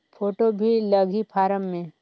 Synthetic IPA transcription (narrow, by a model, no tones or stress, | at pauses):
pʰoːʈobʱiləɡʱipʰaːɾəmːẽ